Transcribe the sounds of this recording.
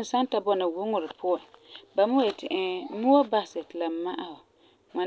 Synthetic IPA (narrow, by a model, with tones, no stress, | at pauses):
n˨sa˦n˦ta˨bɔ˦na˨wʊ˦ŋʊ˨ɾɪ˨pʰʊ˦ã˨ba˨mʊ˦je˨tɪ˨ʔɛ˦mʊ˦a˦ba˨sɪ˨tɪ˨la˨ma˦ʔa˦hʊ˨ | ŋa˨